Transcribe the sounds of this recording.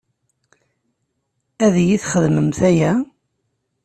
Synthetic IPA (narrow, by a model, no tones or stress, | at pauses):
æðjiθχəðməmθæjæ